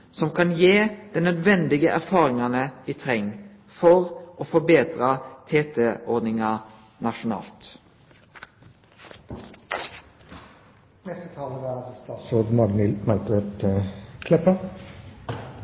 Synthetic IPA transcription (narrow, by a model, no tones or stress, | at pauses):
sɔmkʰɑnjeːd̪̥ɛnœd̪ʋɛnd̪ɪɡəʔæʁfɑːʁɪŋɑnəiːt̪ʰʁɛŋ | fɔʁʔoːfɔbeːd̪ʁɑt̪ʰeːt̪ʰɛʔɔʁd̪nɪŋɑ | nɑʃʊnɑ̰ːlt̪ | nɛst̪ət̪ʰɑːləɾæɾst̪ɑːt̪soːd̪mɑɡnɪlmɑlt̪ʁɛt̪kʰlɛpə